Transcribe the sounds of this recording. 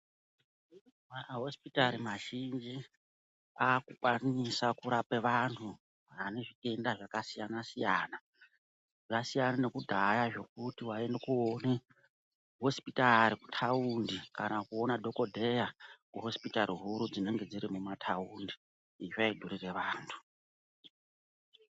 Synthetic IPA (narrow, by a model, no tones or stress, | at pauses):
manaɦo̞spitaɾimaʒind͡ʒi | akukwanisakuɾapeʋantʰu | ane̞ʐite̞ndaʐakasijanasijaːna | ʐasijanane̞kudʱajaʐo̞k̚utiwaendekuoni | ɦo̞si̥pitaɾiku̥tʰaundikanakuo̞nadʱo̞ko̞dʱe̞jakuɦo̞spitaɾiɦuɾud͡zine̞ŋɡe̞d͡ziɾimumatʰaundiː | ʐaidʱuɾire̞ʋaːntʰu̥